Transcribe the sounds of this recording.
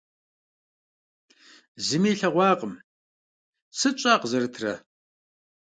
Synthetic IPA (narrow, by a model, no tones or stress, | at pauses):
zɨmiːɬɐʁʷɑːqʼəm | sɨt͡ʃʼaːqzɐrɨtʰrɐ